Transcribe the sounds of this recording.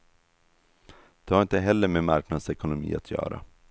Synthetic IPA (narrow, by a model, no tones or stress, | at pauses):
d̪̥ɛhaɾɪnt̪əɦɛlːəmeːmaɾknad̪sɛkʊnʊmḭːa̰t̪ʰjœ̰ːɾa̰